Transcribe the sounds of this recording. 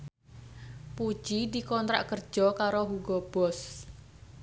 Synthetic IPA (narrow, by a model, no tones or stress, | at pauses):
pu̥ʒ̥id̪i̤kɔnt̪ɾa̰ʔkərd̥d͡ʒ̥ɔkaɾoɦuɡɔb̥ɔs